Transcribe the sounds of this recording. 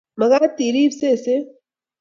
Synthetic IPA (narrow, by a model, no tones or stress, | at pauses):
mɐɣat̪iːɾiːbsese